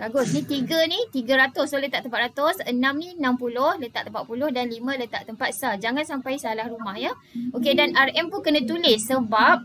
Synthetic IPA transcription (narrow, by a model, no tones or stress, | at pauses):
ɡaɡʊsnĩt̪iɡənit̪iɡaɾat̪ʊsolət̪a̰ʔt̪əmpat̪̚ɾat̪ʊsənãmninampulʊhlət̪a̰ʔt̪əmpat̪ʔ̪̚pulʊhdanlimə̃lət̪aʔt̪əmpat̪̚sad͡ʒaŋãnsampajsalahrumahjə | okedanarɛmpunkənãt̪ulɪsːəbap̚